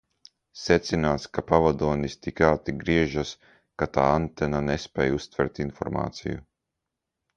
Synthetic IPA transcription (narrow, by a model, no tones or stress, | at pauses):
sɛt̪sinaːt̪skapavad̪uɔnist̪ikaːt̪iɡɾiɛʒas | kat̪aːant̪ɛnanespʲɛːjust̪vɛɾt̪infɔ̰ɾma̰ːt̪siju